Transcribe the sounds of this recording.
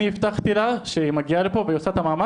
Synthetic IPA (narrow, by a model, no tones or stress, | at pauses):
iift̪aχt̪ilaʃeimaɡialepo̞vejosat̪amaːma